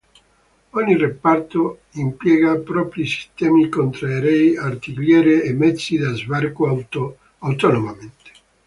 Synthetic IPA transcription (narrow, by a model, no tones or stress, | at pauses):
ɔɲːirepart̪o | impjɛːɡapɾɔpɾisi̥st̪ɛːmikont̪ɾaeɾɛjart̪ikljɛːɾeːmːɛt̪sːid̪azvarko | awt̪ɔnomament̪e̥